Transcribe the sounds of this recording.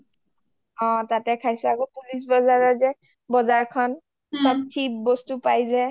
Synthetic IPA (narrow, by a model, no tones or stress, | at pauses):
ɔ̃tatɛkʰajsɛakopulis̬bɔzaɹɔzɛ | bɔzaɹkʰɔn | pɔtʰːibɔstupajzɛ